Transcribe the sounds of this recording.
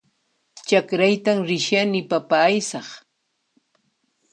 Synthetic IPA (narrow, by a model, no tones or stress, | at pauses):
t͡ʃakɾajt̪amɾɪʃjanɪpapaːjsɑχ